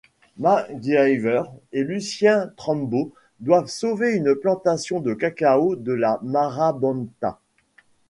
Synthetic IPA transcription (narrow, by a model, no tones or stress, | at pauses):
maɡajvœʁelysjɛ̃t̪χɑ̃mbo | d̪wavsoveynplɑ̃t̪asjɔ̃d̪əkakaod̪əlamaʁabɔ̃nt̪a̰